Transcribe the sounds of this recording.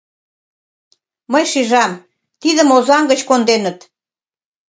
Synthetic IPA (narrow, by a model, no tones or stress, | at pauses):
məjʃiʒɑm | t̪iðəmozɑmɡət͡ɕkond̪enət̪